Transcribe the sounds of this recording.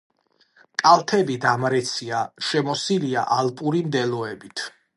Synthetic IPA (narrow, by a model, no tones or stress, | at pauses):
kʼalˠt̪ʰɛbid̪amɾɛt̪sʰiaʃɛmɔsilia̰ʔalpʼuɾimd̪ɛlɔɛbit̪ʰ